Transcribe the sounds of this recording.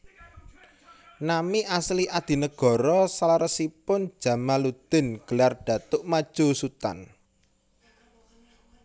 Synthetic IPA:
namiʔasliʔad̪̥i̤nəɡ̥ɔ̤ɾɔsalaɾəsipʊn̥ʒ̥ä̤malud̪̥ɪ̤nɡ̥əlarɖ̥ä̤t̪ʊʔmad̥ʒ̥ṳsut̪a̰n

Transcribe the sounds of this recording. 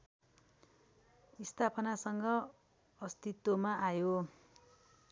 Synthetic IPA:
ist̪ʰapʰʌnasʌŋɡʌː | st̪it̪womaʔajo

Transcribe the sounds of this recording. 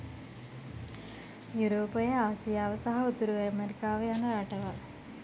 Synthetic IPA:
juɾoːpːɐjɐaːsijaːʋɐsɐɦɐut̪ːuɾuʋɐɾɐmeɾikːaːʋɐjaːnɐɾɐʈːɐʋa

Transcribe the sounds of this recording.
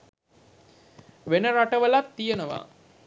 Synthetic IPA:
ʋenəɾaʈəʋəlat̪ːijənəʋa̰

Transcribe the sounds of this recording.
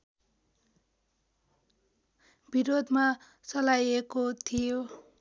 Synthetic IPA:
biɾod̪ʱma | t͡sʌlajekot̪ʰijo

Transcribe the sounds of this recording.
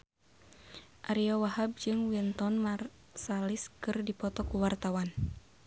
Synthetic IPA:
ʔaɾiawaɦab̚d͡ʒɨŋwint̪ɔnmar | saliskɨrdipɔt̪ɔkuwart̪awan

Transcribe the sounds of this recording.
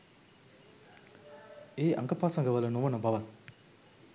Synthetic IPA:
eːʔɐ̰ŋɡɐpaːsɐŋɡɐʋɐlɐnuʋɐnɐbɐʋɐl

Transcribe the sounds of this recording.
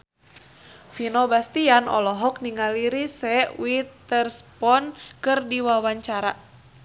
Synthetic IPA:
finɔbast̪ianɔ̰lɔɦɔk̚niŋaliɾisɛwit̪ərspɔnkɨrdiwawaɲt͡ʃaɾa̰

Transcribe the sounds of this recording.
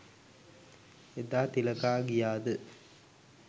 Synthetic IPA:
ed̪ːaːt̪ilɐkaːɡijaːd̪ɨ

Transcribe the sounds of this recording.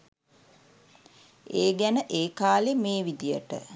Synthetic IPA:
eːɡænəʔeːkaːlemeːʋid̪ijəʈə̰

